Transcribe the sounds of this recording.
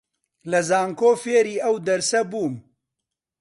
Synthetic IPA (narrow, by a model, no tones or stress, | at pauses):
lɐzaːŋkoːfeːɾiːʔɐwd̪ɐɾsɐbuːm